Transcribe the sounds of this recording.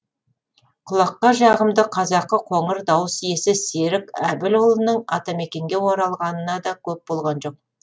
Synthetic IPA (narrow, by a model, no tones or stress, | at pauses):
qʰʊlˠɑqːɑʒɑʁəmd̪əqʰɑzɑqːəqʰo̞ɴəɾd̪ɑwəsje̞sɪseɾɪkʲæbɪlolˠənəɴɑ̰t̪ɑme̞kʲe̞ŋɡʲe̞wo̞ɾɑlˠʁɑnənɑd̪ɑkʲʰɵp̚bo̞lˠʁɑnʒo̞q̚